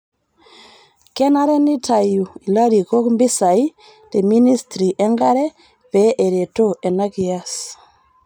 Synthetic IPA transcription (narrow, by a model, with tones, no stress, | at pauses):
kɛ˦na˦ɾɛ˦ni˦tʰa˨ju˨i˨la˦ɾi˨ko˦kmbi˦sa˨i˦ | te˨mi˦ni˦stɾi˨ʔɛ˦ŋɡa˦ɾɛ˦ | pɛʔe˨ɾe˨to˦e˨na˦ki˨a˦s